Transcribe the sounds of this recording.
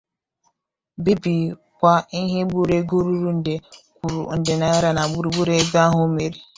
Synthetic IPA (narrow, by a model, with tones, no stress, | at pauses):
bi˦bi˨ | kʷa˦i˦ɦe˦ɓu˦ɾe˦ɡo˦ɾu˦ɾu˦n̩˨de˨kʷu˨ɾṵ˨n̩˨de˨na˨a˦ɾa˨na˨ɡ͡bu˦ɾu˦ɡ͡bu˦ɾe˦ɡa˦ɦʊ˦me˨ɾi˨